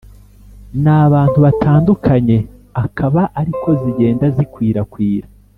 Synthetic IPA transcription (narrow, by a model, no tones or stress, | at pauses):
naːβaːn̥tuβatʰaːndukʰaɲe̞akʰaβaʔaɾikʰo̞ziɟe̞ːndazikwiːɾakwiːɾa